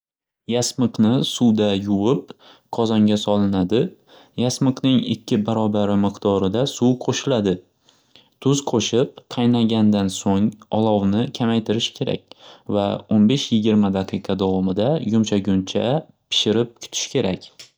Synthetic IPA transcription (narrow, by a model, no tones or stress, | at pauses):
jasmɨqnɪsuwd̪ajʊwɪp̚ | qʰɒzɒŋɡʲasɒlˠɪnad̪ɪ | jasmɨqnɪŋɪ̰kʲːɪbaɾɒbaɾɪmɨqt̪ɒɾɪd̪asuwqʰoʃɪlad̪ɪ | t̪ʰʊzqʰoʃɪp̚q̪ʰɑjnaɡʲand̪ansoŋɒlˠɒwnɪkʲʰamajt̪ʰɪɾɪʃkʲʰe̞ɾa̰kʲvaonbe̞ʃjɪɡʲɪɾmad̪aqʰɨjqʰɑd̪ɒwɒmɪd̪ajʊmʃaɡʲʊnt͡ʃʰa | pʰɪ̥ʃɪɾɪp̚kʲʰʊ̥t̪ʰɪ̥ʃkʲʰe̞ɾakʲ